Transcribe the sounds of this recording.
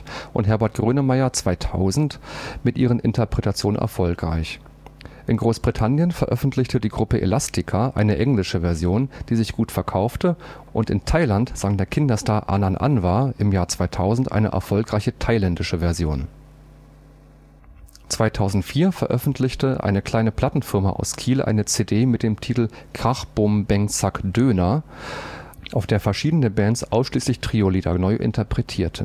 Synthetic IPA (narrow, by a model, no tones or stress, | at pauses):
ʔʊntɦɛɐbɛɐt̚ɡ̥ʁøːnəmaɪɐt͡sv̥aɪtʰa̰ʊzn̩tmɪtʔiːʁ̞ənʔɪ̰ntɐpʁ̥ɛtat͡sjoːnənʔɛ̰ɐfɔlkʁ̥a̰ɪç | ʔɪnɡʁoːsb̥ʁitʰanjənfɛɐʔœfn̩tʰlɪçtədiːɡʁʊpəʔḛlastʰɪkʰaʔaɪnəʔɛŋlɪʃəvɛɐzjoːnd̥iːzɪçɡ̥uːtfɛɐkʰaʊftəʔʊntɪ̰ntʰaɪlantz̥aŋdeːɐkʰɪndɐstaːɐʔa̰ːnanʔa̰nvaːʔɪmjaːɐt͡sv̥aɪtʰaʊzn̩tʔa̰ɪnə̰ʔɛ̰ɐfɔlkʁ̥aɪçətʰaɪlɛndɪʃəvɛɐzjo̰ːn | t͡sv̥aɪtʰaʊzn̩tfiːɐfɛɐʔœfn̩tʰlɪçtəʔa̰ɪnəkl̥aɪnəpl̥atn̩fɪʁɐma̰ʔa̰ʊskʰiːlʔa̰ɪnət͡seːdeːmɪt̚d̥eːmtʰiːtl̩kʁ̥aχb̥ʊmbɛŋt͡sakd̥øːna | ʔaʊfd̥eːɐfɛɐʃiːdənəbɛːntsʔa̰ʊsʃliːslɪçtʁ̥iːoliːda̰nɔʏʔɪ̰ntʰɐpʁ̥ɛtʰiːɐtʰə